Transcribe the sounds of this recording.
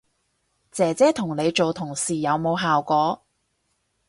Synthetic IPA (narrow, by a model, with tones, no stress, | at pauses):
t͡sɛː˨˩t͡sɛː˨˥t̪ʰʊ˨˩ŋne˨˧jt͡so˨wt̪ʰʊ˨˩ŋsiː˨jɐ˨˧wmo˨˧wɦaː˨wkʷɔː˨˥